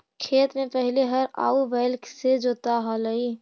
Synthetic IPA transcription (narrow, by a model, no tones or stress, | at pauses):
kʰeːt̪mẽpəɦleɦɐɾa̰ːuʋeːlksed͡ʒoːt̪aɦɔləi